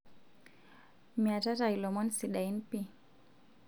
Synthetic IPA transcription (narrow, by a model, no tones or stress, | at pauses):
miatatailɔmɔnsiɗainpi